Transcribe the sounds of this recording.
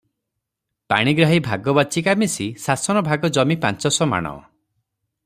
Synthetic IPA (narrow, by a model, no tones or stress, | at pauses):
pa̰ɽ̃iɡɾaɦibʱaɡɔbɔt͡ʃikamisisasɔnɔbʱaɡɔd͡ʒɔmipant͡ʃɔsɔma̰ɽ̃ɔ̰